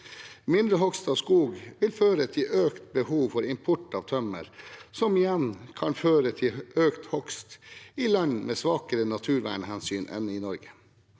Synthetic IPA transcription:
mɪnd̪ɾəɦɔkst̪ɑːʋskuːɡʋɪlføːɾət̪ʰɪløːkt̪̚bəhuːʋfɔɾɪmpʰɔʈɑːʋt̪ʰœmə̰ɾsɔmɪjɛnkʰɑnføːɾət̪ʰɪʔøːkt̪hɔkst̪ɪlɑɲmʔeːsʋɑːkəɾənɑt̪ʰʉːɾʋæ̰ːɳəhɛnsyːnʔɛ̰nɪnɔɾɡə̥

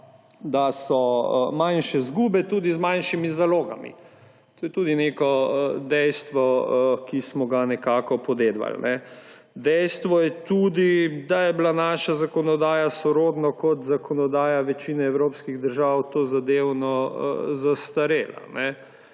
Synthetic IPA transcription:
d̪asɔmanʃɛzɡuːbɛt̪uːd̪izmanʃimizaloːɡa̰mḭ | t̪oːjɛt̪uːd̪inekɔd̪ɛjst̪ʋɔkismɔɡanɛkaːkɔpɔd̪eːd̪ʋa̰lnɛ | d̪ɛjst̪ʋɔjɛt̪uːd̪id̪ajɛblanaːʃazakɔnɔd̪aːjasɔɾoːd̪nɔkɔt̪zakɔnɔd̪aːjaʋɛt͡ʃiːnɛɛwɾoːpskiɣd̪əɾʒawt̪oːzad̪ewnɔ̰zast̪aɾeːla̰nɛ

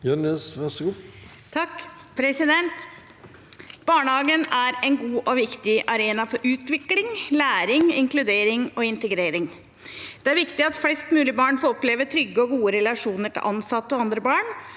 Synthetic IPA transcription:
jœnɛsʋɛsɡu | t̪ʰɑkː | pʰɾɛsɪd̪ɛnt̪ | b̥ɑːɳəhɑːɡənæɾɛnɡuːʔɔʋɪkt̪ɪʔɑɾeːnɑfɔɾʔʉːt̪ʋɪklɪŋlæːɾɪŋɪŋklʉd̪eːɾɪŋɔɪnt̪əɡɾeːɾɪŋ | d̪̥ɛæɾʋɪkt̪ɪɑt̪flɛst̪mʉːlɪbɑːɳfɔɾɔpleːʋəʈ̪ʰɾʏɡːəɔɡuːəɾɛlɑʂuːnəʈʰɪ̰lʔɑnsɑt̪ːɔɑnd̪ɾəbɑːɳ

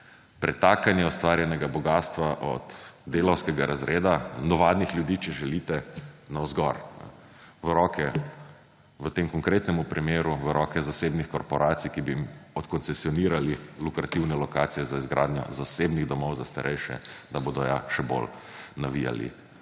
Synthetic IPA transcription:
pɾɛt̪aːkanjɛɔst̪ʋaːɾjɛnɛɡabɔɡaːst̪ʋaʔɔ̰d̪d̪eːlɔwskɛɡaɾazɾeːd̪anɔʋaːd̪nixlʲjud̪iːt͡ʃɛʒɛliːt̪ɛnawzɡɔɾ | ʋəɾɔːkʰɛ | ʋət̪emkɔŋkɾeːt̪nɛmupɾʔimeːɾuʋəɾɔːkɛzaseːbnixkɔɾpɔɾʔat̪sijkibimɔt̪kɔnsɛsiɔniːɾalilukɾat̪iwnɛlɔkaːt̪sijɛzaizɡɾa̰ːd̪nʲɲjɔ̰zasebniɣd̪ɔmɔwzast̪aɾʔɛjʃɛ̰d̪aboːd̪ɔjaʃɛbo̰l | naʋija̰lḭ

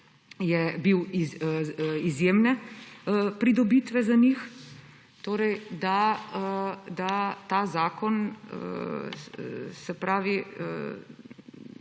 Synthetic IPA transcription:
jɛbiwi | izjeːmnɛ | pɾid̪ɔbit̪ʋɛzanix | t̪oːɾɛjd̪a | d̪at̪aːzaːkɔnə | sɛpɾaːʋi

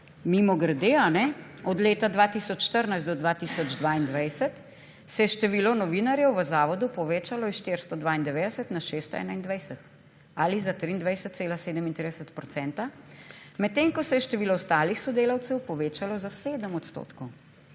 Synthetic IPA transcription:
mimɔɡəɾd̪eanɛɔd̪leːt̪ad̪ʋaːt̪isɔt͡ʃʃt̪əɾnajst̪d̪ɔd̪ʋat̪isɔd͡ʒd̪ʋaːind̪ʋajsət̪ | sɛjɛʃt̪ɛʋiːlɔnɔʋiːnaɾjɛwʋəzaːʋɔd̪upɔʋeːt͡ʃalɔisʃt̪eɾst̪ɔd̪ʋaːind̪ɛʋeːd̪ɛsət̪naʃeːst̪ɔɛ̰ːnaind̪ʋajsɛt̪ | alizat̪ɾiːnd̪ʋajsɛt̪t̪seːlaseːd̪əmint̪ɾid̪ɛsət̪pɾɔtsɛnt̪amɛt̪ːeːŋkɔsɛjɛʃt̪ɛʋiːlɔst̪aːlixsɔd̪eːlɐwt̪sɛwpɔʋeːt͡ʃalɔzaseːd̪əmɔt̪st̪o̰ːt̪kɔw

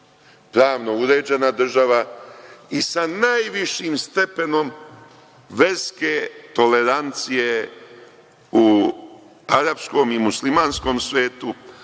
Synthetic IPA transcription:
pɾaːʋno̞uɾe̞ːd͡ʑe̞nad̪r̩ʒaʋa | isanajʋiʃiːmst̪e̞pe̞no̞m | ʋe̞ɾske̞t̪o̞le̞ɾant̪sije̞ | u | aɾabsko̞mimuslimaːnsko̞ːmsʋeːt̪u

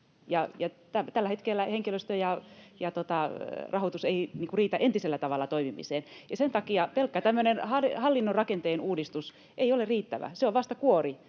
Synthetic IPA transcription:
jɑjɑt̪æt̪ælːæhet̪kelːæheŋkiløst̪øjɑjɑt̪ot̪ɑrɑhot̪useiniːŋkuriːt̪æʔent̪iselːæt̪ɑʋɑlːɑt̪oimimḭseːnjɑsent̪ɑkiɑpelkːɑt̪æmːønenhɑlhɑlːinːorrɑkent̪eːnuːdist̪us | ʔeiolerriːt̪ːæʋæ̰seoʋʋɑst̪ɑkuori

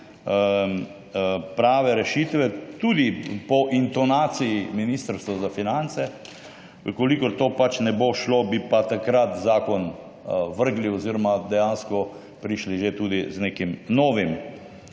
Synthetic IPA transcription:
ə | pɾaːʋɛɾɛʃiːt̪ʋɛt̪uːd̪ipɔʔint̪ɔnaːt̪sijiminiːst̪əɾst̪ʋɔzafinant̪sɛ | əkɔlikɔɾt̪oːpat͡ʃnɛboʃlobipat̪akɾat̪zaːkɔn | ʋəɾɡliɔziɾɔmad̪ɛjaːnskɔ | pɾiʃliʒet̪uːd̪izneːkimnɔːʋim

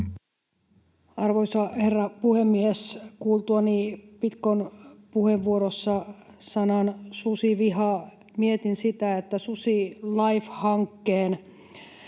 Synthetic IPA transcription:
ɑrʋoisɑherːɑpuhemːieskuːlt̪uɑnipit̪konpuheʋːuoɾosːɑsɑnɑnsusiʋihɑ | miet̪insit̪æet̪ːæsusilɑifhɑŋkːeːn

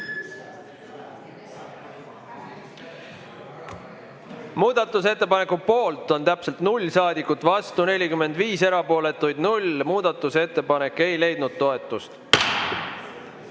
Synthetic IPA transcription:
muːd̪ɑt̪ːˑuse̞t̪ːˑe̞pɑne̞kːupo̞ːlt̪ˑo̞nt̪æpselt̪nulʲːsɑːd̪ikːˑut̪ːˑvɑst̪une̞lʲikymːe̞nd̪viːse̞ɾɑpo̞ːle̞t̪ːˑujd̪̥nulʲmuːd̪ɑt̪ːˑuse̞t̪ːe̞pɑne̞kːˑe̞jle̞jd̪̥nud̪̥̚t̪o̞e̞t̪ˑːust̪

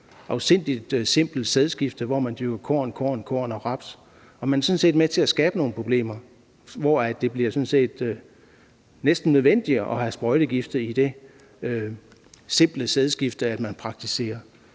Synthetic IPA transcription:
ʔɑ̈ʊse̝n̰d̥id̥se̝m̰b̥l̩seð̞ˠsɡ̥ifd̥əʋɒːmænd̥yɡ̥ɐkʰɒ̰ːnkʰɒ̰ːnkʰɒ̰ːnɒ̽ʁɑ̈b̥s | ɒ̽mænæɐsɔ̽nse̝̰ːd̥met͡sʰe̝æsɡ̥ɛːb̥əno̝ːn̩pʰʁob̥le̝̰ːmɐ | ʋɒːæ̥e̝b̥liɐsɔ̽nse̝̰ːd̥ | nesd̥n̩ːøð̞ˠʋen̰d̥iʔɒ̽hæsb̥ʁɒ̽ɪɾ̥əɡ̥ifd̥ɐid̥e̝ | ø | se̝m̰b̥ləseðˠsɡ̥ifd̥əæd̥mænpʰʁɑ̈ɡ̥̚t͡sʰise̝̰ːɐ

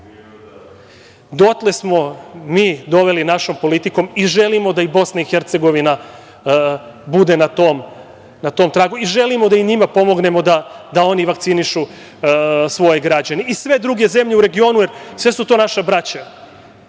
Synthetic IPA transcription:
d̪o̞t̪le̞smo̞miːd̪o̞ʋe̞linaʃo̞mpo̞lit̪iko̞miʒe̞limo̞d̪aibo̞snaixeɾt̪se̞ɡo̞ʋina | bud̪e̞nat̪oːm | nat̪o̞ːmt̪ɾaːɡuiʒe̞limod̪aiɲimapo̞mo̞ɡne̞mo̞d̪ad̪ao̞niʋak̚t̪siniʃu | sʋo̞jeɡɾad͡ʑaneisʋe̞d̪ɾuɡe̞ze̞mʎe̞uɾe̞ɡio̞ːnujeɾsʋe̞sut̪o̞ːnaʃabɾat͡ɕa

